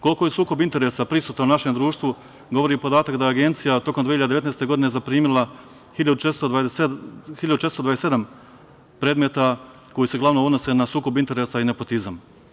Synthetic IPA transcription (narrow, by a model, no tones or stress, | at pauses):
kolko̞jesuːko̞bint̪e̞ɾe̞sapɾisuːt̪aunaʃe̞md̪ɾuːʃt̪ʋu | ɡo̞ʋo̞ɾiupo̞d̪aːt̪akd̪ajeaɡe̞nt̪sijat̪o̞kond̪ʋeiad̪d̪eʋet̪nest̪e̞ɡo̞d̪ine̞zapɾiːmilˠa | hiʎad̪ut͡ʃest̪o | hiʎad̪uʃet̪st̪od̪ʋaese̞d̪am | pɾeːd̪met̪a | ko̞jise̞ɡlˠaʋnood̪no̞se̞nasuːko̞bint̪eɾe̞saine̞po̞t̪izam